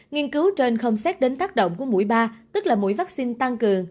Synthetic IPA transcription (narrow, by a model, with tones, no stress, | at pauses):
ŋi˧ənkɨ˨˦wt͡ɕe˧nxə˧wŋ͡msɛ˦˥t̚ɗe˨˦nt̪aː˦˥k̚ɗo̰˧˨wŋ͡mku˧˩əmu˧˥jɓaː˧t̪ɨ˦˥k̚laː˨˩mṵ˧˥jvaː˦˥k̚si˧nt̪a˧ŋkɨ˨˩əŋ